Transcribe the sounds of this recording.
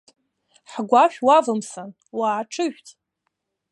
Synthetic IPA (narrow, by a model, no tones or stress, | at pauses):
ħɡʷaʃᶣwavɨmsan | waːʈ͡ʂʰɨʒʷᶣtʼ